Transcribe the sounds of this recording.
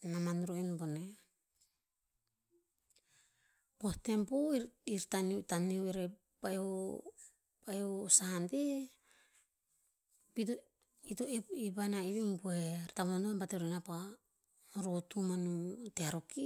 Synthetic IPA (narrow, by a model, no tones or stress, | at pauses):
namanɾoenbone | pohte̞mpoiiɾtanitanioiɾe | pajo | pajosahante | pit | itoepibanaiβimbueɾtamunanuabateɾoenapa | ɾotumanuteaɾoki